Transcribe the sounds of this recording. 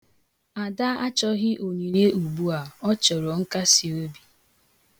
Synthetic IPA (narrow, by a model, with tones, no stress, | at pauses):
a˨da˦a˦t͡ʃɔ˦ɣɪ˦ʔo˨ɲu˨ne˦u˨bu˦a˨ɔ˦t͡ʃɔ˨ɾo˨ŋ̩˦ka˦si˨o˦bi˨